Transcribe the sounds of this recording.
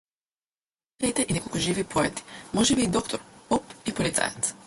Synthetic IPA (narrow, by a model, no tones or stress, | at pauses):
ɾajt̪eʔinekokoʒiːʋipʰojet̪i̥moʒeʋiːd̪o̞kt̪oɾpopipolit̪sa̰jat̪s